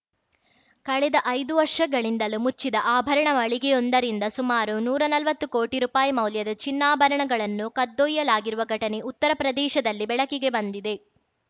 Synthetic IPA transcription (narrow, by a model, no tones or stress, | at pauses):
kɐɭɛd̪ɐʔɐjd̪uʋɐɾʂɐɡɐɭind̪ɐlumut͡ʃːid̪ɐʔaːbʱɐɾɐɳɐʋɐɭiɡeond̪ɐɾind̪ɐsumaːɾunuːɾɐnɐlʋɐt̪ːukoːʈiɾuːpaːjimɐwljɐd̪ɐt͡ʃinːaːbʱɐɾɐɳɐɡɐɭɐnːukɐd̪ːojːɐlaːɡiɾuʋɐɡʱɐʈɐne̞ʔut̪ːɐɾɐpɾɐd̪ɛːʃɐd̪ɐlːibɛɭɐkiɡe̞bɐnd̪id̪e̞